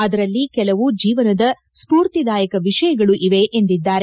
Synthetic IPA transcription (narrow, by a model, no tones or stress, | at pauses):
ɐd̪ɐɾɐlːikɛlɐʋud͡ʒiːʋɐnɐd̪ɐ | spuːɾt̪id̪aːjɐkɐʋiʂɐjɐɡɐɭuʔiʋe̞ʔend̪id̪ːaːɾe